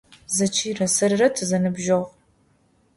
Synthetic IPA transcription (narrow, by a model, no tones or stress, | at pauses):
zɐt͡ʃʰiːrɐsɐrɨrɐtʰɨzɐnɨbʒoʁ